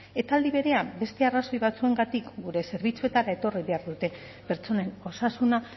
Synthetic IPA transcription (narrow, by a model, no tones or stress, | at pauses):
e̞t̪aːld̪iβ̞e̞ɾe̞ambe̞st̪e̞araso̞jβat͡sue̞ŋɡat̪ikɡuɾe̞se̞ɾβit͡sue̞t̪aɾae̞t̪o̞riβe̞aɾðut̪e̞ | pe̞ɾt͡so̞ne̞no̞sasuna